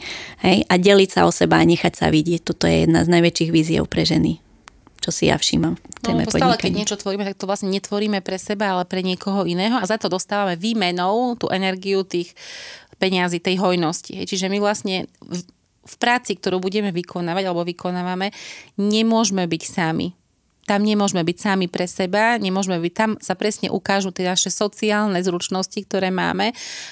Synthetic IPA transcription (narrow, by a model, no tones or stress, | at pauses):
hɛjʔaɟɛlicsa̰ɔsɛbaːɲɛxacsa̰ʋiɟɪɛc̚t̪ɔt̪ɔjɛ̰jɛ̰d̪na̰znajʋɛt͡ʃiːɣʋiːziɛ̰ʊpɾɛʒɛni | t͡ʃɔsija̰fʃḭmamnɛ̰mɛ̰pɔɔaalɛkɛɲɪɛt͡ʃɔt̪ʋɔɾiːmɛt̪ak̚t̪ɔʋlasɲɛɲɛt̪ʋɔɾiːmɛpɾɛsɛbaalɛpɾɛɲɪɛkɔɦɔinɛːɦɔazat̪ɔd̪ɔst̪aːʋamɛʋiːmɛnɔʊt̪ṵːʔɛnɛɾɡiut̪iːxpɛɲaziːt̪ɛjɦɔjnɔscḭɦɛ̰jt͡ʃiʒɛmiʋlasɲɛ | fpɾaːt͡sikt̪ɔɾuːbuɟɛmɛʋikʰɔnaːʋaɟalɛbɔʋikɔnaːʋamɛɲɛmʊɔʒmɛbicsamḭ | t̪amɲɛmʊɔʒmɛbicsamipɾɛsɛbaɲɛmʊɔʒmɛbic̚t̪amsapɾɛsɲɛ̰ʔukaːʒut̪ɪɛnaʃɛsɔt͡siaːlˠnɛzɾut͡ʃnɔscik̚t̪ɔɾɛːma̰ːmɛ